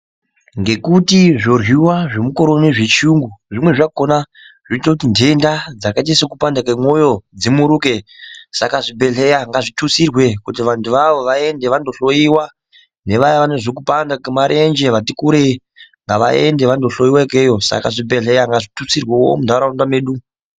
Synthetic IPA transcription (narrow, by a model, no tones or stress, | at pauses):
ŋɡe̞kutiʐo̞rwiwaʐe̞muko̞ɾoneʐe̞t͡ʃuŋɡuʐimwe̞ʐakona | ʐ̥oitakutinde̞ndad͡zakat̬isokupandakemwo̞jo̞d͡zimuɾuke̞sakaʐibʱe̞ɬe̞jaŋɡaʐitʰusirwe̞kutiʋantuʋaʋo̞ʋae̞nde̞ʋando̞ɬo̞iwa | ne̞ʋajaʋaneʐok̬upandakemaɾʔe̞nd͡ʒe̞ʋatikuɾe | ŋɡaʋaende̞ʋandoɬo̞jiwakejo̞sa̰kaʐibʱe̞ɬe̞jaŋɡaʐitusirwewo̰mundʱaɾaundame̞ːɗu